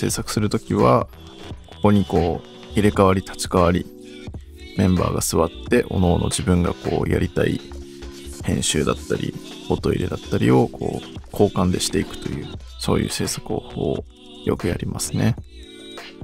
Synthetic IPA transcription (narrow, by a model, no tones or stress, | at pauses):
se̞ːsakɯ̟sɨɾɯ̟t̪o̞kʲiβa | ko̞̥ko̞ɲ̟iko̞ː | iɾe̞kaβaɾʲit̪ʰḁt͡ɕi̥kaβaɾʲi | mẽ̞mba̰ːɡasɨβat̪ːe̞ʔo̞no̞ːnʔo̞̰d͡ʑibɯ̟̃ŋɡako̞̰ːja̰ɾʲit̪ai | hẽ̞ɰ̃ɕɨːd̪at̪ːaɾʲḭ | hot̪o̞ḭɾe̞d̪at̪ːaɾʲio̞kʰo̞̰ːkʰo̞ːkãnd̪e̞ɕi̥t̪e̞ikɯ̟̥t̪o̞jɯ̟ː | so̞̰ːjɯ̟̰ːse̞ːsḁkɯ̟oːhoo | jo̞̰kɯ̟jaɾʲimʔasɨne̞